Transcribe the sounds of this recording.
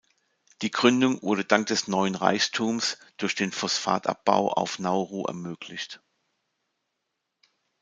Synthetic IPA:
d̥iːɡʁʏndʊŋvʊɐɾədaŋk̚d̥ɛsnɔʏənʁa̰ɪçtʰuːmsd̥ʊɐçd̥eːnfɔsfa̰ːta̰p̚b̥a̰ʊʔa̰ʊfnaʊʁoːʔɛ̰ɐmøːkʰlɪçt

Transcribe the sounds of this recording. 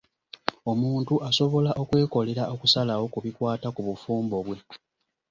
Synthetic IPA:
o̞muːntuʔaso̞βo̞laʔo̞kwe̞ːko̞le̞ɾaʔo̞kusalawo̞kuβikwaːtakuβufuːmbo̞βwe̞

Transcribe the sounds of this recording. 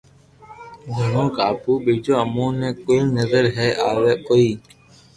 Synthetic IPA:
ɡʱənõːkaːpuːɓeːd͡ʒoːəmõːnẽːkoːinəzəɾɦɛːʔaːʋeːkoːiː

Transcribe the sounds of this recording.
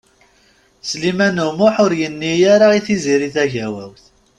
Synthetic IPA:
slimænʊmʊħʊɾjənːijaɾaiθiziɾiθæʝæwæwθ

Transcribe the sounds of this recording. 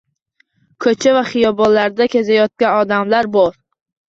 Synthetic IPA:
kʰɵt͡ʃʰavaχɪjɒbɒnlaɾd̪akʲʰezajɒt̪̚kʲanɒd̪amlaɾbɒɾ

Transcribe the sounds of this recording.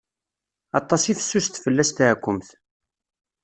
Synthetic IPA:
ɑt̪ˤːɑsifə̥sːust̪fəlːæst̪ʕkʷːʊmθ

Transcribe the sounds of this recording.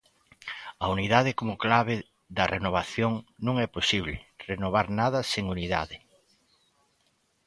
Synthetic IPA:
ɐuniðaðɪkomʊklaβ̞ɪ | ðɐrenoβ̞aθjoŋnũŋɛposiβlɪ̰renoβ̞aɾnaðɐseŋuniða̰ðɪ

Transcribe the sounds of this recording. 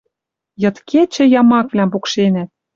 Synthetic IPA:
jɤ̆t̪kʰet͡ɕɘ̆jɑmɑkvlʲæmpukʃenæt̪̚

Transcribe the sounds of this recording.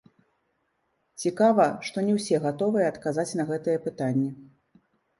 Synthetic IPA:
t͡sʲikavɐʂt̪ɔnʲɛwsʲɛɣat̪ɔvɨjɛːt̪kazat͡sʲnɐɣɛt̪ɨjɛpɨt̪anʲːɛ

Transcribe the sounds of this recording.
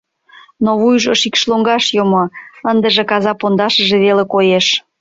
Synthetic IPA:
noβujʒəʃikʃloŋɡɑʃjomoənd̪əʒĕkɑzɑpond̪ɑʃə̆ʒĕβelekojeʃ

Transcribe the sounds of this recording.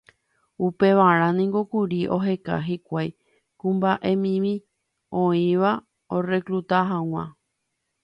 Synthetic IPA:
upe̞ʋaɾ̃ãnĩŋɡokuɾiʔo̞ɦe̞ka̰ɦikʷaj | kũmbaʔe̞mĩmĩ | õĩʋa | ore̞kɾut̪aɦãw̃ã̰

